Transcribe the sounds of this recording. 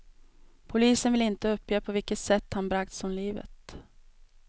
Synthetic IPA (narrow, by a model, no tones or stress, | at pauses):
pʰʊliːsənvɪlɪnt̪əɵpːjøːpʰɔvɪlkːət̪sɛt̪ːhanbɾak̚t̪sɔnliːvə̰t̪